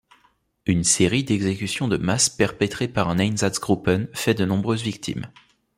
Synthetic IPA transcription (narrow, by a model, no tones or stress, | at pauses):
ynseʁid̪ɛɡzekʲysjɔ̃d̪əmaspɛʁpɛt̪χepaʁɛ̃nɛjnzasɡʁupɛnfɛd̪ənɔ̃bʁøzvik̚t̪ʰḭm